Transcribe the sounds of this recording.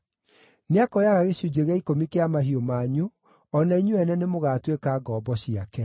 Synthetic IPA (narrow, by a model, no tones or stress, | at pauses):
neakɔjaɣaɣeɕud͡ʑeɣɛikomikeamaɦiomaɲu | ɔnaiɲuɛnɛnemoɣatwekaːɡɔːbɔɕiakɛ